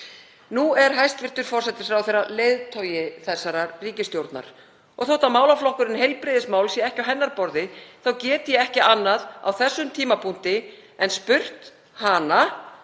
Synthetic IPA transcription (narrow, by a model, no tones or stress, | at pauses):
nuɛɾ̥ɦajst̪vɪr̥t̪ʏɾ̥fɔrsɛt̪ɪ̥ɾ̥fɾawθerːaleːjðt̪ʰœːɥjɪθɛsːaɾariːcɪst̪jowɾt̪na̰ɾ̥ | ɔɣθɔwht̪amaːwlaflɔhkʏɾɪnhejlpɾɪðɪsmaːwlsjɛɛhcawɦɛnːaɾpɔɾðɪθawcɛːt̪ɪjɛɛhcɪanːaða̰wθɛsːʏmt̪ʰiːmapʰun̥t̪ɪ | ɛnspʏr̥t̪ | haːna